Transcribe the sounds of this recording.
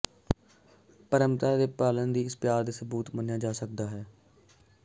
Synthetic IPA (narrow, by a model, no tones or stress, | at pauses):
pəɾəmt̪aːd̪eːpaːlənd̪iːɪspjaːɾd̪eːsəbuːt̪mənjaːd͡ʒaːsək̚d̪aːɦɛː